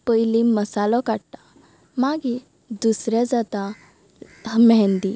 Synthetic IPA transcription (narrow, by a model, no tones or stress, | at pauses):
pəjliməsalɔkaɽt̪a | maɡi | d̪usɾjad͡zat̪a | mɛ̃nd̪i